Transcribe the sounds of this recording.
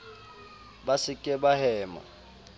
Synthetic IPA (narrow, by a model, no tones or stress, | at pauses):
basɪkʼɛbahɛːmɔ̰